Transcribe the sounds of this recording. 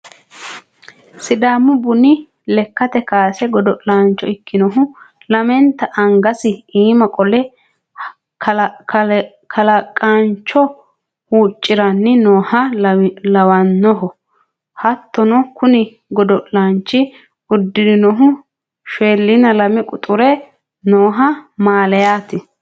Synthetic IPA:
sɪd̪aːmːʊbʊnɪ | lɛkːɐt̪ɛkaːsɛɡɔd̪ɔʔlaːnt͡ʃːɔɪkːɪnɔɦʊ | lɐmɛnt̪ːɐʔɐŋɡɐsɪiːmɐkʼɔlɛ | kʰɐlɐkʼant͡ʃːɔ | huːt͡ʃʼːɪɾɐnːɪnoːhɐlɐwɐnːɔɦɔ | hɐt̪ːɔnɔkʊnɪ | ɡɔd̪ɔʔlant͡ʃːɪ | ʊd̪ːɪd̪ɪnɔɦʊ | ʃeːlːɪnɐlɐmɪkʼʊt̪ʼʊɾɛ | noːɦɐmaːlɛjaːt̪ɪ

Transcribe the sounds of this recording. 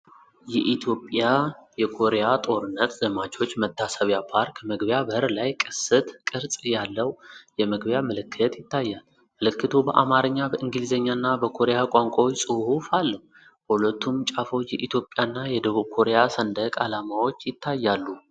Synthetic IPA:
jɛʔit̪ʰjo̞pʼjajɛkʰo̞ɾejat̪ʼo̞ɾɨnːət̪zəmat͡ʃʰʼo̞t͡ʃːmət̪ʰːasəβjapʰaɾkməɡbjabəɨɾlajkʼɨsɨt̪kʼɨɾsʼjalːəwjɛməɡbjamɨlɨkʰːɨt̪jɪt̪ʰːajːal | mɨlɨkːɨt̪ʰubəʔa̰maɾɨɲːabəʔɨŋɡlizəɲːanːabəkʰo̞ɾejakʼaŋkʷʼawsʼɨhhufalːəhu | hulət̪ʰːumt͡ʃʼafojɛʔit̪ʰjo̞pʼjanːajɛd̪əβuβkʰo̞ɾejasənd̪əkʼalamawo̞t͡ʃːjɪt̪ʰːajːalːu

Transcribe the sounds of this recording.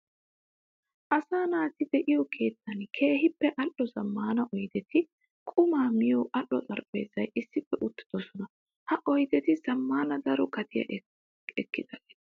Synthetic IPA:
ʔɐsaːnaːt̪ɪd̪ɛʔɪjɔkʰe̞ːt̪ːɐnkʰe̞ːɦɪpːɛʔɐʔːɔzɐmːaːnɐʔɔjt̪ɛt̪ɪ | kʼʊmaːmɪjɔʔɐɗɔt̪ʼɐɾpʼḛːzɐjʔɪsːɪfːɛʔʊt̪ːɪ̥d̪̥ɔsɔnɐ | hɐʔɔjt̪ɛt̪ɪz̥ɐmːaːnɐd̪ɐɾɔkɐt̪ɪjɐ̰ʔ | ɛkːɪd̪̥ɐlɛ̥

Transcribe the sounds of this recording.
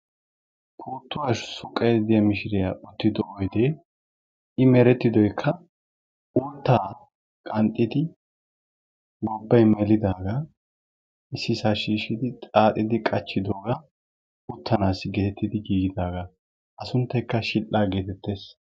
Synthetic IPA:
pʰuːt̪ːʊwaːʃsʊkʼːɐjd̪ɪjɐmɪʃɪɾɪjaʔʊt̪ːɪd̪ɔʔɔjd̪eː | ʔɪmɛɾɛt̪ːɪd̪ɔjkʰːɐ | ʊnt̪ːaː | kʼɐnt̪ʼːɪd̪ɪ | bɔbːɐjmɛlɪd̪aːɡɐ | ʔɪsːɪsaʃiːʃɪd̪ɪt̪ʼaːt̪ʼɪd̪ɪkʼɐt͡ʃːɪd̪oːɡɐ | ʊt̪ʰːɐnaːsɡeːt̪ːɪd̪ɪɡiːɡɪd̪aːɡɐ | ʔɐsʊnt̪ːɐjkːɐʃɪlʔaːɡeːt̪ɛt̪ːe̞ːs

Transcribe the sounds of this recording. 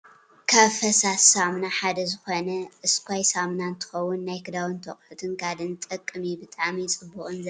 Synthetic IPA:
kʰɐfɐsasamnaħad̪ɐzɨxonɐʔɨskʰʷajsamnant̪ʰɨ̥xɐwːʊnːajkʰɨd̪awɨnt̪ʰɐχʼħut̪ʰɨnkʰad̪ɨnt̪ʼɐkʼːɨmibɨt̪ʼamit͡sʼɨbːuʔʼɨnzɐ

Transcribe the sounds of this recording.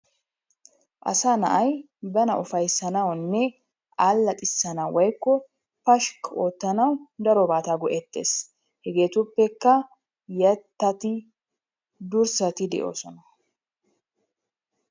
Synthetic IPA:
ʔɐ̰saːnɐʔɐj | bɐnɐʔʊfɐjsːɐnɐwnːɛ | aːlːɐt̪ʼɪsːɐnɐwɐjkːɔ | pɐʃkoːt̪ːɐnɐwd̪ɐɾɔbaːt̪aɡɔʔɛt̪ːe̞̰ːs | hɛɡe̞ːt̪ʊpːɛkːɐ | jɐt̪ːɐt̪ɪ | d̪ʊɾsɐt̪ɪd̪ɛ̰ʔo̞̰ːsɔnɐ

